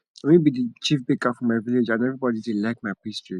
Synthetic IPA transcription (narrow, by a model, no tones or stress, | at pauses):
ɛmĩbidət͡ʃifbikafɹɔ̃mːaɪviled͡ʒãnɛvɹibɔdidilaɪk̚maɪpistɹi